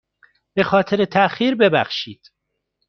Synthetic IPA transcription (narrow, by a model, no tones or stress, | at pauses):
b̥e̞xɒːt̪ʰe̞ɾet̪ʰæʔxiːɾbe̞bæ̰xʃiːd̪̥